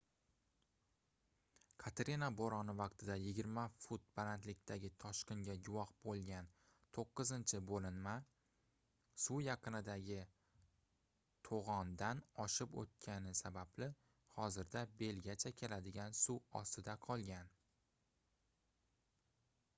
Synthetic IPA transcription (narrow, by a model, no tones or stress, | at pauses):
kʰat̪ʰeɾinaboɾɒnɪvɒqt̪ʰɪd̪ajɪɡʲɪɾmafʊt̪̚balant̪lɪkʲt̪ʰaɡʲɪt̪ʰɒʃqɪŋɡʲaɡʊwɒχbolˠɡʲan | t̪ʰoqːɨzɪnt͡ʃʰɪbolɪnma | sujɑqʰɨnɪd̪aɡʲɪ | t̪ʰoʁɒnd̪anɒʃɪpo̰t̪̚kʲʰanɪsabablɪ | hɒzɪɾd̪abe̞lɡʲat͡ʃʰakʲʰe̞lad̪ɪɡʲansuɒ̰st̪ɪd̪aqʰɒlˠɡʲan